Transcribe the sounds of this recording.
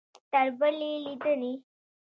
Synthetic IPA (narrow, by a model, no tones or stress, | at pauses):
t̪əɾbəlilid̪əni